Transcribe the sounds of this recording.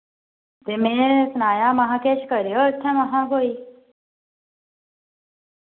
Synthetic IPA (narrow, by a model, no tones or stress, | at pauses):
t̪emẽsnaːjaːmaɦãkeːʃkəɾjoɪt̪ʰːẽməɦãkoiː